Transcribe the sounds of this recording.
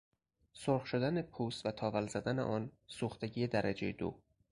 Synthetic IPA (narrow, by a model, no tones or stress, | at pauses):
soɾχʃod̪ænepʰuːsvæt̪ʰɒːvælzæd̪ænḛʔɒːnsuːxt̪eɟiːjed̪æɾʔæd͡ʒejed̪o̰ː